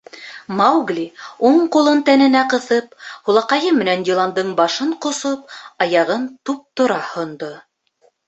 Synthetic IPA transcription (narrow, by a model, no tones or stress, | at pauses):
mɑwɡlʲiuɴqulˠɤnt̪ænɘ̆næqɤ̆θɤphulˠɑqɑjɤmɘ̆nænd̪ʲilˠɑnd̪ɤɴbɑʃɤɴqŏsop̚ɑjɑʁɤnt̪up̚t̪ŏɾɑhŏnd̪o